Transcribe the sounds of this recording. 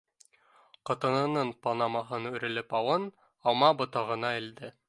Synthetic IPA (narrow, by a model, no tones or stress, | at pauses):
qɤ̆t̪ɤ̆nɤ̆nɤɴpɑnɑmɑɦɤnʉ̆ɾɘ̆lɘpɑw̪ˠɤn | ɑmɑbŏt̪ɑʁɤ̆nɑɘ̆ld̪ɘ